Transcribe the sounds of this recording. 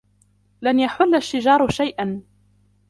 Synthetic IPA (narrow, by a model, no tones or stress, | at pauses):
lanjaħʊlːaʃːɪd͡ʒɑːɾˤʃajʔan